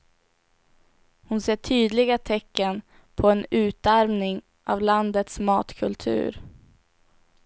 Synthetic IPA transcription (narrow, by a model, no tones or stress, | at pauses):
hʊnseːʈʰyːd̪lɪɡat̪ʰɛkːən | pʰɔɛnʉ̟ːt̪aɾmnɪŋ | ʔavland̪ət̪smɑːt̪kʰɵlt̪ʰʉ̟̰ːɾ